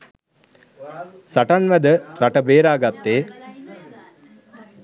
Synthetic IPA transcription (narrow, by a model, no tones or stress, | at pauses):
saʈanʋæd̪əɾaʈəbeːɾaːɡat̪ːeː